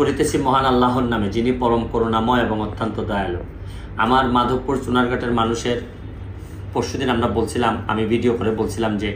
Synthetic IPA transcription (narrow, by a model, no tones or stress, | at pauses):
oɾit̪et͡ɕʰimɔɦanalːaɦonnamed͡ʑinipɔɾomkoɾonamɔeeboŋot̪ʰːant̪od̪ɔalo | a̰maɾmad̪ʱopːuɾt͡ɕunaɾɡʱaʈeɾmanuʃeɾ | poʃud̪inamɾabolt͡ɕʰilama̰mibʱiɖiokoɾebolt͡ɕʰilamd͡ʑe